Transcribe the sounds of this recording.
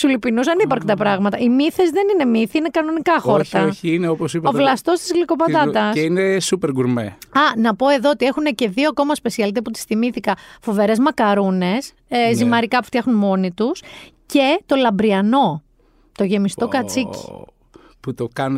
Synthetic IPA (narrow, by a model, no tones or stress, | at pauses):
sulipinusɐnipɐɾkt̪ɐpɾɐɣmɐt̪ɐʔimiθe̞zðe̞nine̞miθiinekɐno̞nikɐxo̞ɾt̪ɐiineoposipɐovlɐst̪o̞st̪izɣliko̞pɐðɐt̪ɐsinesupeɾɡuɾmeɐnɐpo̞e̞ðo̞ot̪ie̞xune̞ce̞ðioko̞mɐspe̞siɐlit̪eput̪i̥sθimiθikɐfo̞veɾe̞zmɐkɐɾune̞s | zimɐɾikɐpu̥ft̪çɐxnunmo̞nit̪us | ce̞t̪o̞lɐmbɾiɐno̞ | t̪o̞ʝe̞mist̪o̞kɐt͡sici̥ | put̪okɐn